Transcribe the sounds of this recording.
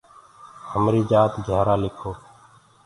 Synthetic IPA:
həmɾiːd͡ʒaːt̪d͡ʒʱaːɾaːlɪkʰoː

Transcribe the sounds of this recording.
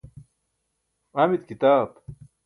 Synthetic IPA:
amit̪̚kit̪aːb

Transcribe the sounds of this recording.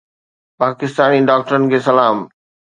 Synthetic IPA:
paːkɪst̪aːniɖaːk̚ʈəɾənɪ̆kʰeːsɐlaːm

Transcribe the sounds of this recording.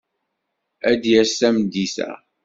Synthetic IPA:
æd̪jæsæmd̪isæ̰

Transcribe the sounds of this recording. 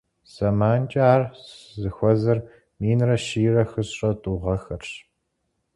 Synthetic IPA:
sɐmaːnt͡ʃʼaːrszɨxʷɔzɐr | miːnrɐʃiːrɐxɨɕɕʼɐtʼuʁɐxɐrɕ

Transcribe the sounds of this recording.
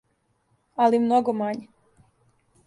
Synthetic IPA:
alimnoɡomaɲe

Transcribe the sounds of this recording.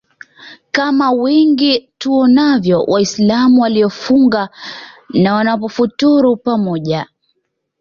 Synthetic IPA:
kamawɛŋɡituɔnavjɔwʔaislamuwaliɔfuŋɡa | nawanapɔfutuɾupamɔʄa

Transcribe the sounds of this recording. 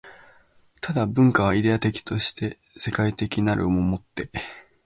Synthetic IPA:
t̪ʰad̪abɯ̟̃ŋkaβ̞aid̪e̞at̪e̞kʲi̥t̪o̞ɕi̥t̪e̞ | se̞kait̪e̞kʲinaɾɯ̟omomo̞t̪ːe̞

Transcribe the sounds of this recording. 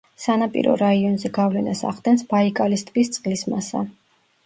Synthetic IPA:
sanapʼḭɾɔ̰ɾaiɔnzɛɡavlɛnasa̰ʁd̪ɛnsb̥aikʼalist̪ʰʼɡʼist̪sʼqʼlismasa̰

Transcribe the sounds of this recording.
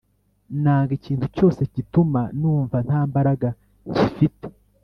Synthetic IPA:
naːŋɡiciːntuco̞ːse̞citumanuːɱvan̥haːmbaɾaɡa | cifite̥

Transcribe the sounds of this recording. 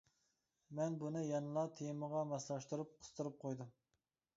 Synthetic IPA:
mɛnbunɨjɑnɨlˠɑt̪ʰejməʁɑmɑslˠɑʃt̪uɾup̚qʰʊ̥st̪ʰuɾup̚qʰojd̪u

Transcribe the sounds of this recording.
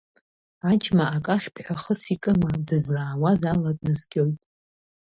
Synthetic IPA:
at͡ʃʰmaakʼaχʲpʰħʷᶣaχəsikʼɨmadɨzlaːwazalakʼnɨzɡʲo̞jtʼ

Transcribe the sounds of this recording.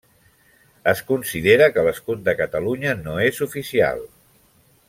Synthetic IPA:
əskunsiðeɾəkələskut̪̚d̪əkət̪əluɲənoezufisia̰lˠ

